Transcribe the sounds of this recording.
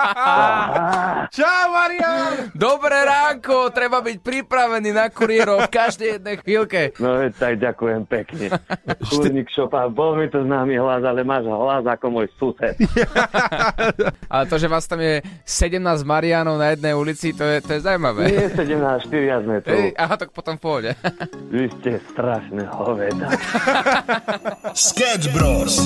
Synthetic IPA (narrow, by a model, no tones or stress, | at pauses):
t͡ʃamaɾiand̪ɔbɾɛːɾaːŋkɔt̪ɾɛbabic̚pɾipɾaʋɛniːnakuɾiɛɾɔfkaʒd̪ɛjjɛd̪nɛjxʋilkɛnɔɛt̪aɡɟakujɛmpɛkɲɛuɔɲiːkʃɔpabɔlmit̪ɔznaːmiɦlazalɛmaːʒɦlazakɔmʊɔjsusɛt̪ | ʔa̰lɛt̪ɔʒɛʋaːst̪amjɛsɛɟɛmnaːzɟmaɾiaːnɔʊnajɛd̪̚nɛjulit͡sit̪ɔjɛt̪ɔjɛzawmaʋɛːɛsɛɟɛmnaːsʃt̪iɾiazmɛt̪ɾɛuʔaɦat̪ak̚pɔt̪ɔmfpɔɦɟɛʋiscɛst̪ɾaʃnɛɦɔʋɛt̪a | skɛd͡ʒbɾɔs